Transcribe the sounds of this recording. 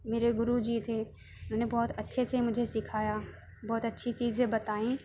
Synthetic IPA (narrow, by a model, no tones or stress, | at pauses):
meːɾeɡʊɾud͡ʒit̪ʰe | ʊnɦoːnebɔːt̪ɐtːʃʰesemʊd͡ʒʱesɪkʰaːjaː | bɔːt̪ɐtːʃʰit͡ʃiːzẽbɐt̪aːĩː